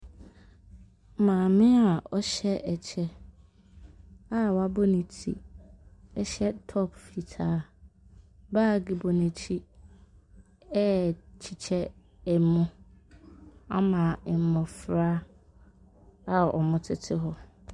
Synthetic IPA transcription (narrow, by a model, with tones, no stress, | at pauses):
mãː˨mɪ̃˦a˨ɔ˦ɕɛ˦ʔɛ˨t͡ɕʰɛ˦ | a˦wa˦bɔ˦nĩ˨tʰḭ˦˨ | ɛ˦ɕɛ˦tʰɔ˦pfi˨tʰaː˦ | baː˦˨ɡi˨bɔ˨nɪ̃˨t͡ɕʰi˦ | ɛ˦˨t͡ɕʰi˨t͡ɕʰɛ˦ | ɛ˨˦mʊ̃˦ | a̰˦mã˨ɛ˨m˨mɔ̃˨fɾa˦ | a˨ɔ̰˨mʊ̃˦tʰɪ˦tʰɪ˦ɦɔ˦